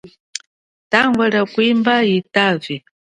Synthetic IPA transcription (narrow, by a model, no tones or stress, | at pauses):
taŋɡwɛɺakwimbaitavi